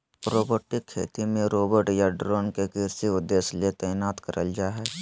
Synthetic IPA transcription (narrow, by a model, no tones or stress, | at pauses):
pɾoːboːʈɪkʰːḛːt̪imẽɾoːbəɾʈjaɖɾoːnkekɪɾsiʊd̪ːeːsliet̪ɛːnaːt̪kəɾʔəld͡ʒaːɦɛː